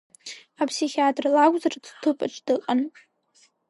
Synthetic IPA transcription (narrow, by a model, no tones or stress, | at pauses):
apʰsiχʲiatʼrlaɡʷʼzardʰtʰɨpʼa̰ʈ͡ʂʰʼdɨqʼan